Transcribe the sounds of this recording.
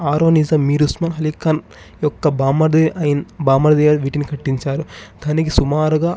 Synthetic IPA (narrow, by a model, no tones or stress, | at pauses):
aːɾoːnizɐmːiːɾusmɐnɦɐlikɐn | jɔkːɐbaːmɐd̪ɐjnbaːmɐɾd̪ɐjɐʋiːʈinikʰɐʈːiɲt͡ʃaːɾud̪̥ʱaːnik̬isumaːɾuɡaː